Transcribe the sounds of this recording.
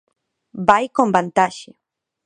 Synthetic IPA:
bajkombant̪aʃɪ

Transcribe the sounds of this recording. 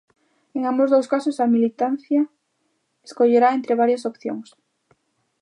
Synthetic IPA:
eŋambozðowskasʊsɐmilit̪an̟θjɐ | eskoʎeɾaent̪ɾeβ̞aɾjasopθjo̰ŋs

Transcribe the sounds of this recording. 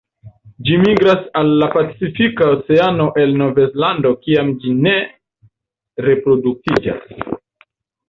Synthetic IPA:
d͡ʒimiɡɾasalːapat͡sifikaot͡se̞ano̞ʔe̞lno̞ve̞zlando̞kiamd͡ʒine̞ | ɾe̞pɾo̞duk̚tid͡ʒa̰s

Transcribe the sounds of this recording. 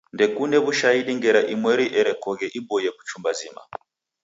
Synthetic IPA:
ndɛkunɛβuʃaiɗiŋɡɛɾaʔimwɛɾiʔɛɾɛkɔɣɛʔibɔjɛku̥t͡ʃumbazima̰

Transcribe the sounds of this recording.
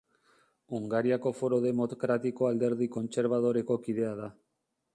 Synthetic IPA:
uŋɡaɾiako̞fo̞ɾo̞ðe̞mo̞t̪okɾat̪iko̞ald̪e̞ɾðiko̞nt͡se̞ɾβaðo̞ɾe̞ko̞kiðe̞að̞a

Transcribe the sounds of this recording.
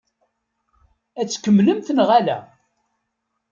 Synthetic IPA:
æt͡sːkːəmːləmθnʁælæ̰

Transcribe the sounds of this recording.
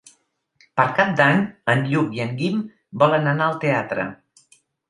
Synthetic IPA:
pəɾkap̚d̪aɲənʎukiəŋɡim | bɔlənənaəlˠt̪eat̪ɾə̰

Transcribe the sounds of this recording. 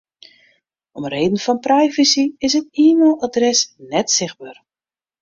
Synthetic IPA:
ɔmreːdən̩fɔnprɛjvəsiɪsətiːmɪlˠadrɛsnɛtsɪx̚baːr

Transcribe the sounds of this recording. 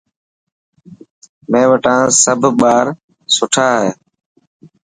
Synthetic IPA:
mẽːʋəʈãːsəbʱɓaːɾ | sʊʈʰaːɦeː

